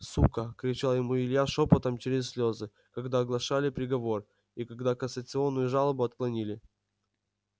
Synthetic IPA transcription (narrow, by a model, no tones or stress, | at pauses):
sukəkɾʲɪt͡ɕalˠjɪmuɪlʲjaʂopət̪əmt͡ɕɪɾʲɪsʲsʲlʲozɨ | kɐɡd̪aːɡlˠɐʂalʲɪpɾʲɪɡɐvo̞r | ikɐɡd̪akənsət̪sɨo̞nːʊjʊʐalˠəbʊɐt̪̚klˠɐnʲilʲɪ